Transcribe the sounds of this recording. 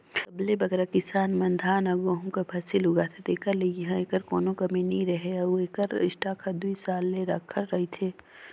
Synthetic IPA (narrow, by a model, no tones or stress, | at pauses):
kɐblebɐɡɾakɪsaːnmɐnd̪ʱaːnɐɡoːɦũkapʰaːsɪlɦʊɡat̪ʰet̪eːkɐɾlejɐɦãeːkəɾkɔːnõkɐmĩnĩɾɐɦeɐueːkəɾɪ̰ʃʈakʰad̪uisaːlːeɾakʰːəɾːɐɦit̪ʰeː